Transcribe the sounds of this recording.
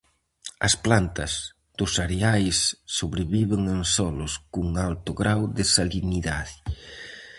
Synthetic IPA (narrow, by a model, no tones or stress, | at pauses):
ɐ̰splant̪ɐz | d̪̥ʊsaɾeajsːoβɾeβiβeŋensɔlʊskuŋalt̪ʊɣɾawðɪsaliniðaði